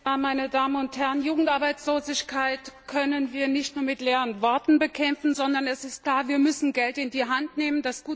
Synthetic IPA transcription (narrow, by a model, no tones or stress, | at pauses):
maɪnədaːmənʊnthɛʁənjuːɡŋ̩tʔaɐbaɪt͡sloːzɪçkʰaɪtkʰœnənviːɐnɪçtnuːɐmɪtleːʁənvɔɐtn̩bəkʰɛmfn̩zɔndɐnɛsɪst̚kl̥aːɐviːɐmʏsn̩ɡɛltɪndiːɦantneːməndasɡ̥uː